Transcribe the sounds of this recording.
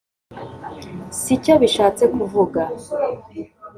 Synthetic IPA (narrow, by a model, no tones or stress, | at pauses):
sico̞βiʃaːt͡se̞kuvuɡa